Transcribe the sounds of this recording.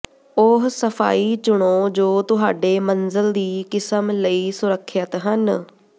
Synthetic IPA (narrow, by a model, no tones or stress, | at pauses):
ʊɦsəpʰa̰ːiːt͡ʃʊɽ̃oːd͡ʒoːt̪ʊɦaːɖeːmənzəld̪iːkɪsəmləiːsʊɾəkʰːjət̪ɦən